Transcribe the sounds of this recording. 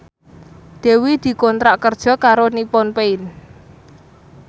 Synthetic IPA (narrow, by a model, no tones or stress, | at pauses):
d̪̥e̤wid̪̥i̤kɔnt̪ɾaʔkərd̥ʒ̥ɔ̤kaɾonipɔnpeɪn